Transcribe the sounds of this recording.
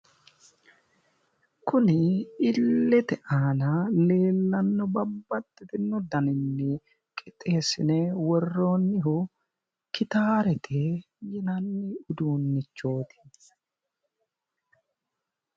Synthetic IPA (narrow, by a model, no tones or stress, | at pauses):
kʊnɪːɪlːɛt̪ɛʔaːnɐle̞ːlːɐnːɔbɐbːɐt̪ːɪt̪ɪnːɔd̪ɐnɪnːɛ | kʼɪt̪ʼːe̞ːsɪnɛwɔrːo̞ːnːɪɦʊ | kɪt̪aːɾɛt̪ʰɛ | jɪnɐnːɪʊd̪uːnːɪt͡ʃːo̞ːt̪ɪ̥